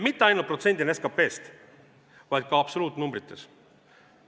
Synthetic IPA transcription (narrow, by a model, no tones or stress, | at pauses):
mit̪ːe̞ɑjnult̪̚prot̪se̞nd̪ineskɑpe̞ːst̪ | vɑjd̪̥̚kɑɑpsoluːt̪ːˑnumbɾit̪ːˑes